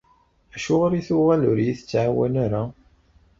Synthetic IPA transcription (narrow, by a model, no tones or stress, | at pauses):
æʃʊʁaɾiθʊʁælʊɾjiθət͡sːʕawænaɾa